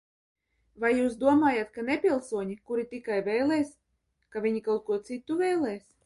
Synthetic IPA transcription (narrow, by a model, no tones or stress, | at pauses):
vajːuːsd̪uɔmaːjat̪kanepʲilˠsuɔɲikuɾit̪ʲikajvɛjlˠɛːs | kavʲiɲikawt̪̚kuɔt̪sit̪ːuvɛjlˠɛːs